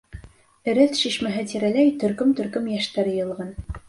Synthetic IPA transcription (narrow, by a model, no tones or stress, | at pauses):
ɘ̆ɾɘθʃiʃmæɦɘt̪iɾælæjt̪ɵ̆ɾkɵmt̪ɵ̆ɾkɵmjæʃt̪æɾ̆jɤ̆lˠʁɑn